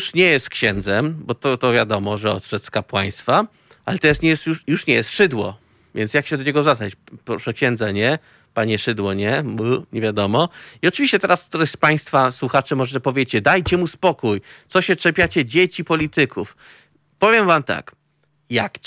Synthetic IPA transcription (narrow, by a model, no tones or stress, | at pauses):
ʂɲɛjɛst̪kɕɛnd̪zɛmbɔt̪ɔt̪ɔvʲjad̪ɔmɔʐɛɔ̰t̪ʂɛt̪skapwaj̃st̪fa | ʔalɛt̪ɛɾasɲɛjɛst̪jujuʂɲɛjɛst̪ʂɘd̪wɔ̰ | vʲjɛnsjakɕɛd̪ɔɲɛɡɔzaat͡ɕpɾɔʂɛkɕɛnd̪zaɲɛ | paɲɛʂɘd̪wɔɲɛmɲɛvʲjad̪ɔmɔiɔt͡ʂɨviɕt͡ɕɛt̪ɛɾaskt̪uɾɛɕspaj̃st̪faswuxat͡ʂɘmɔʐɛpɔvʲjet͡ɕɛd̪ajt͡ɕɛmuspɔkujt̪sɔɕɛt͡ʂɛpʲjat͡ɕɛd͡ʑet͡ɕipɔlʲit̪ɘkʰuf | pɔvʲjɛmvamt̪a̰k | jak